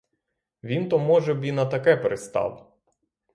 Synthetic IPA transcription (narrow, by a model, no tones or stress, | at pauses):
ʋʲint̪ɔmɔʒɛbinɐt̪ɐkɛpeɾest̪ɑ̰w